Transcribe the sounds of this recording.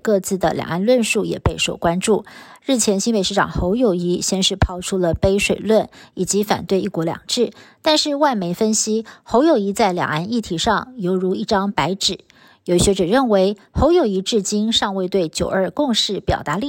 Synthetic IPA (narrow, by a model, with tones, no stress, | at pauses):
kɤ˥˧t͡sɹ̩˥˩d̪ə̰˩ljɑ̰˨˩ŋʔa˥˧nlwə˥˧nʂu˥˩jɛ̰˨˩pe˥˩ɪʂo˨˩ʊkwa˥nʈ͡ʂu˥˩ɻɻ̩˥˩t͡ɕʰjɛ˧˥nɕi˥npe˨˩ɪʂɻ̩˥˩ʈ͡ʂɑ̰˨˩ŋxo˧˥ʊjo˨˩ʊi˧˥ɕjɛ˥˧nʂɻ̩˥˧pʰɑ˥ʊʈ͡ʂʰu˥lə˨pe˥ɪʂwe˨˩ɪlwə˥˩ni˨˩t͡ɕi˧˥fa̰˨˩nt̪we˥˧ɪi˥˩kwɔ˧˥ljɑ̰˨˩ŋʈ͡ʂɻ̩˥˩t̪a˥˧nʂɻ̩˥˧wa˥˩ɪme˧˥ɪfə˥nɕi˥xo˧˥ʊjo˨˩ʊi˧˥t͡sa˥˩ɪljɑ̰˨˩ŋa˥˧ni˥˩t̪ʰi˧˥ʂɑ˥˩ŋjo˧˥ʊɻu˧˥i˥˩ʈ͡ʂɑ˥ŋpa˧˥ɪʈ͡ʂɻ̩˨˩˦ | jo˨˩ʊi˥˩ɕɥɛ˧˥ʈ͡ʂɤə˨˩ɻə˥˩nwe˧˥ɪ | xo˧˥ʊjo˨˩ʊi˧˥ʈ͡ʂɻ̩˥˩t͡ɕi˥nʂɑ˥˧ŋwe˥˧ɪt̪we˥˩ɪt͡ɕjo˨˩ʊə˞˥˧kʊ˥˧ŋʂɻ̩˥˩pjɑ̰˨˩ʊt̪a˧˥li˥˧